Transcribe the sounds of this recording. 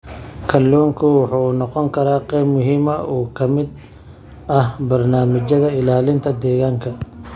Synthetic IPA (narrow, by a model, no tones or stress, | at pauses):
kʰɐlːɔːŋkʰʊwɑħuːnɔqɔŋkʰɐɾaːqɛjbmʊɦiːmɐʔɔːkʰɐmɪd̪ | ɐhbɐrnaːmɪt͡ʃɐðɐɪlaːlɪnt̪ʰɐd̪ɛːɣaːŋkʰɐ